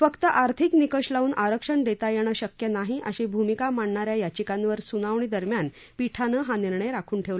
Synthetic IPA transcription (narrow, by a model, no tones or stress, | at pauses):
fəkt̪əʔaɾt̪ʰiknikəʂlauːnʔaɾəkʂəɳd̪et̪ajeɽ̃əɕəkjənaɦiʔəɕẽbʱumikamaɳɳaɾjajat͡ɕikãnʋəɾsunaʋɳ̃iːd̪əɾmjan | piʈʰanəɦaniɾɳəjɾakʰuːnʈʰeʋla